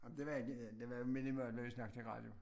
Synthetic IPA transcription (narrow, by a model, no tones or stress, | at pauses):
ɑmd̥e̝ʋɑeɡ̥ed̥eʋɑjomenimøɐd̥ʋeʋisnɑ̈ɡ̥̚t͡sʰe̝ʁɑ̰̈ːd̥jo̝